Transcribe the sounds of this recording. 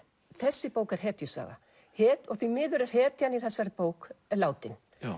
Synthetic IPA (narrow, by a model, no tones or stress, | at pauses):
θɛsːɪpoːwkɛɾ̥hɛːt̪jʏsa̰ːɣa̰ | hɛːt̪ɔɣθimɪːðʏɾɛɾ̥ɦɛːt̪janiθɛsːaɾpoːwklaːwt̪ɪn